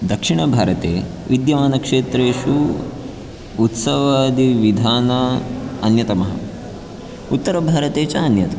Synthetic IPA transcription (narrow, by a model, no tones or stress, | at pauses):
d̪ɐkʂiɳɐbʱaːɾɐt̪ḛː | ʋid̪jɐʋaːnɐkʂeːt̪ɾeːʃu | ut̪sɐʋaːd̪iʋid̪ʱaːnɐɐnjɐt̪ɐmɐɦɐ̰ | ut̪ːɐɾɐbʱaːɾɐt̪eːt͡ʃɐːnjɐt̪ɐ